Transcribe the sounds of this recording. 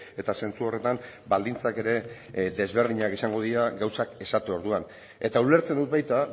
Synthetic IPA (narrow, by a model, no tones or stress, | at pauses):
e̞t̪ase̞nt͡suo̞re̞t̪am | bald̪int͡sake̞ɾe̞ | ðe̞zβe̞ɾð̞iɲakisaŋɡo̞ðiaɡawsake̞sat̪eo̞ɾðuan | e̞t̪aule̞ɾt͡send̪ut̪̚βajt̪a